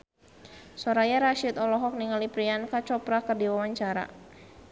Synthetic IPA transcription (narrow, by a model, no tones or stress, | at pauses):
sɔɾajaɾaʃit̪ɔlɔɦɔk̚niŋalipɾiankat͡ʃɔpɾakərdiwawaɲt͡ʃaɾa̰